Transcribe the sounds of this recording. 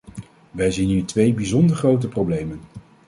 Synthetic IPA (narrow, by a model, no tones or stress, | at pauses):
ʋɛjzinitʋejbizɔndəɹχrowtəprowblejmən